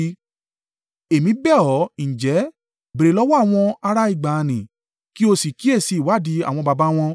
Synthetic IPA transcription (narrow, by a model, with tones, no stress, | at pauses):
e˨mĩ˨˦bɛ˦˨ɔ˨˦n̩˨d͡ʒɛ˨˦ | be˨ɾe˨˦lɔ˦wɔ˦a˦˨w̃ɔ̃˧a˧ɾa˦i˦˨ɡ͡ba˨nĩ˨ | ki˦o˧si˨ki˨˦e˦˨si˧˦˨wa˨˦˨di˨˧˦a˨w̃ɔ̃˧ba˧ba˦w̃ɔ̃˧